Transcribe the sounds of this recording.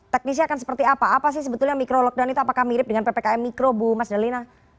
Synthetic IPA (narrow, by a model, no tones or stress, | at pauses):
t̪ɛk̚nis̬akansə̥pərt̪iapaːpas̬ɪhs̬əbət̪ulɲamikɾolɔk̚danit̪uapakahmiɾɪp̚dəŋanpepekaɛmːikɾobumasdalina